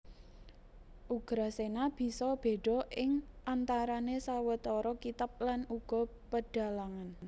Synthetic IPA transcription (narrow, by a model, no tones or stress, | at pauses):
ʔuɡ̥ɾasenab̥i̤sɔb̥e̤ɖ̥ɔ̤ʔɪŋʔant̪aɾanesawət̪ɔɾɔkit̪ap̚lanuɡ̥ɔ̤pəɖ̥a̤laŋan